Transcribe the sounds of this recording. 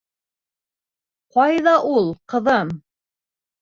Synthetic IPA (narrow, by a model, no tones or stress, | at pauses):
qɑjðɑʔulˠqɤ̆ðɤm